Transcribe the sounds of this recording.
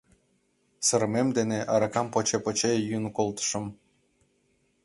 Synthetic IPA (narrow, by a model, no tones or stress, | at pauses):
sɤ̆ɾmemd̪eneʔɑɾɑkɑmpot͡ɕepot͡ɕejynkolˠt̪ə̥ʃɤ̆m